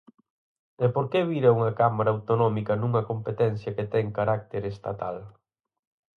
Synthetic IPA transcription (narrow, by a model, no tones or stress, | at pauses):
ɛpoɾkeβiɾɐuŋɐkamaɾɐawt̪onɔmikɐnuŋɐkompet̪ɛn̟θjɐket̪ɛŋkaɾak̚t̪eɾest̪at̪al